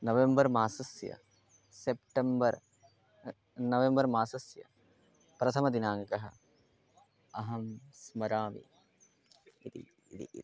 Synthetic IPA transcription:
nɐʋembɐɾmaːsɐsjɐ̰ | sep̚ʈembɐɾ | nɐʋembɐɾmaːsɐsjɐ̰ | pɾɐt̪ʰɐmɐd̪inaːŋkɐɦɐ̆ | ɐɦɐmsmɐɾaːʋḭ | it̪ḭ | t̪ḭ

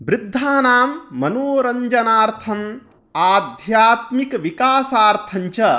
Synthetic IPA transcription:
bɾɪd̪ʱːaːnaːmːɐnoːɾɐɲd͡ʒɐnaːɾt̪ʰɐm | aːd̪ʱjaːt̪mikʋikaːsaːɾt̪ʰɐɲt͡ʃɐ

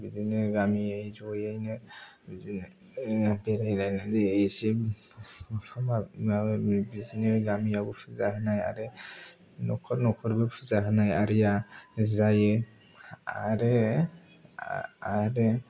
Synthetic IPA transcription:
bizinɯɾɡamiajzɔjajnɯ | bizin | beɾajnajnɯdeːsi | pʰama | bizinɯɾɡamiaɡɔpʰɯzahɯnaja̰ɾɯ | nɔkʰɔɾnɔkʰɔɾbɯpʰɯzaɦɯnajaɾijazajɯ | a̰ɾɯ | aɾe

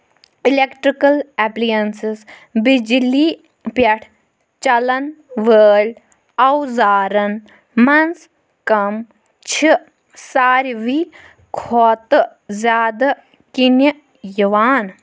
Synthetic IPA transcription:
ilekʈɾikɐlɛplijɐnsisbid͡ʒliː | pjɐʈʰ | t͡ʃɐlɐnʋəːlʲ | ɐwzaːɾɐn | mɐns | kɐm | t͡ʃʰi | saːɾʋiː | kʰoːt̪ɨ | zʲjaːd̪ɐ | kini | jiʋaːn

